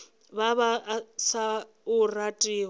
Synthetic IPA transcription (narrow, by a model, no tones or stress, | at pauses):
βaβasa | ʊratʼiː